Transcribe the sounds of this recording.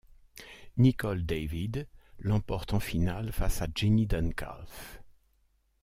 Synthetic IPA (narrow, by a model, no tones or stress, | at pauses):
nikɔld̪evid̪lɑ̃pɔʁt̪ɑ̃finalfasad͡ʒinid̪anka̰lf